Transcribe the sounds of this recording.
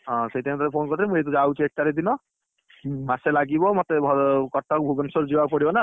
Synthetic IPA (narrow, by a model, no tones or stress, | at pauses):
ɦɔ̃sejt̪ɛmt̪ʰɔɾepʰonkɔɾt̪ʰimũet̪ud͡ʒaut͡ʃʰiek̚ʈaɾid̪inɔ | maselaɡibɔmɔt̪ebʱɔkɔʈʰːɔk̚bʱubɔnsɔɾd͡ʒiwapɔɽibɔna